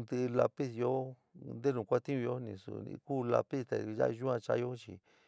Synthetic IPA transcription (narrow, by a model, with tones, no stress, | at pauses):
nd̪ɨ˧la˧pi˦sjo˦ | nd̪e˦nũ˨kʷa˦t̪ĩ˦ũ˧jo˦nĩ˧˨sṵ˧˨ḭ˧kuː˦˨la̰˧pi˦st̪a˨ja̰˦˧ʒu˦ã˧t͡ʃa̰˧jo˦t͡ʃḭ˧